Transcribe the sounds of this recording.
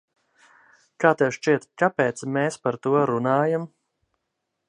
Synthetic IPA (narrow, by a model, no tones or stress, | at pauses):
kaːt̪ɛwʃt͡ʃiɛt̪kapeːt̪smeːspaɾt̪uɔɾunaːjam